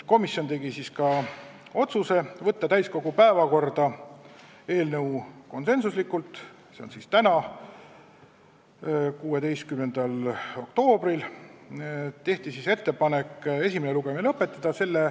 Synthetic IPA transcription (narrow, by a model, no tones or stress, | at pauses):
ko̞misjo̞nt̪e̞ɡisiskɑ | o̞t̪suse̞vɤt̪ːɑt̪æjsko̞ɡ̥upæevɑko̞rd̪̥ɑ | e̞ːlnɤuko̞nse̞nsuslikːˑult̪ˑ | seo̰nsist̪ænɑ | kuːe̞d̪e̞jst̪̚kyme̞nd̪̥ɑlo̞kt̪o̞ːbril | t̪e̞ht̪isise̞t̪ːe̞pɑne̞kˑːe̞sʲimeneluɡ̥emelɤpːˑe̞t̪ˑːɑd̪̥ɑse̞lːe